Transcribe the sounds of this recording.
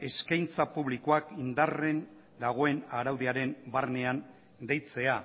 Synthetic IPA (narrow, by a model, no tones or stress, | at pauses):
e̞skajnt͡sapuβlikoakind̪are̞n | d̪aɣ̞o̞e̞naɾawðeaɾe̞mbarne̞an | d̪ejt͡se̞a